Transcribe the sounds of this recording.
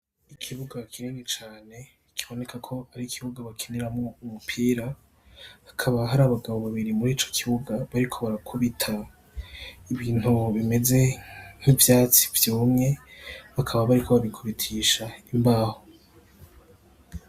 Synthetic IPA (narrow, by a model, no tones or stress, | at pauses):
ikʰiβuɡakʰiɾenet͡ʃaːne̞ | kʰiβo̞ne̞kakʰo̞aɾikʰiβuɡaβakʰeneɾamŋo̞umupʰiːɾa | akʰaβaɦaɾaːβaɡaβo̞βaβiɾimuɾiːt͡ʃo̞̥kʰiβuɡaβaɾikʰo̞βaɾakʰuβitʰa | iβiːn̥uβime̞ze̞ŋ̥ivjaːt͡si̥vjuːmŋe̞βakʰaβaβaɾikʰo̞βaβikʰuβitʰiːʃaimbaːho